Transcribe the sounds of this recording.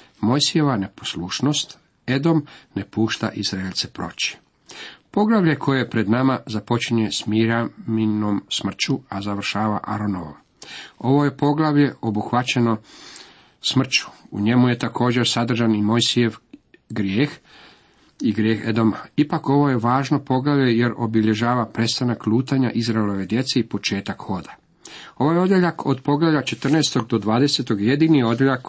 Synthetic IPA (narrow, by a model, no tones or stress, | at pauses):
mo̞jsije̞ʋane̞poslˠuʃno̞st̪ | e̞d̪o̞mne̞puːʃt̪a̰ʔizɾaelʲt̪sepɾo̞̰t͡ɕi̥ | po̞ɡlˠaʋʎe̞kʰo̞je̞pɾe̞d̪namazapo̞t͡ɕiɲe̞smiɾamino̞msmr̩t͡ɕuazaʋr̩ʃaːʋaʔaɾo̞no̞ʋo̰m | o̞ʋo̞je̞po̞ɡlˠaʋje̞o̞buxʋat͡ɕe̞no̞ | smr̩t͡ɕu̥ṵɲe̞muje̞t̪akʰo̞ːd͡ʑe̞ɾsad̪r̩ʒanimo̞jsijeʋɡɾjeːx | iɡɾjeːxed̪o̞maipako̞ʋo̞je̞ʋaːʒno̞po̞ɡlaʋje̞je̞ɾo̞biʎe̞ʒaːʋapɾe̞t̪st̪anaklˠuːt̪aɲaʔizɾaelo̞ʋe̞d̪je̞t̪seipo̞t͡ʃe̞ːt̪akxo̞d̪ḁ | o̞ʋojeo̞d̪jeʎakʰo̞d̪po̞ɡlaʋlʎat͡ʃe̞t̪rnest̪o̞ɡ̚d̪o̞d̪ʋaːd̪ese̞t̪o̞ɡje̞d̪iːnio̞d̪jeʎak